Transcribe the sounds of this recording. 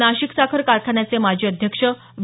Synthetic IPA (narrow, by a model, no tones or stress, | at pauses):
naɕiksakʰəɾkaɾkʰaɳjat͡semad͡ʑʱiːəd̪ʱjəkʂə | ʋ